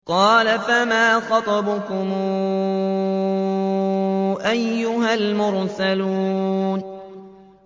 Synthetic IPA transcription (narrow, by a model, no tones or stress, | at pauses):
qɑːlafamaːxɑt̪ˤɑbʊkʊmuː | ʔajːʊɦalmʊɾsaluːn